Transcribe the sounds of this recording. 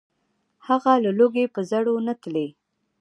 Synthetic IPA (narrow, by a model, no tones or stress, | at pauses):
haɣalaloɡepəzaɽonat̪le